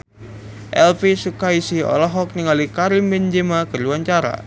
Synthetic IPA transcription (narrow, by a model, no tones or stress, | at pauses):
ʔɛlpesukaisiɔ̰lɔɦɔk̚niŋalikaɾimend͡ʒemakərluwaɲt͡ʃaɾa̰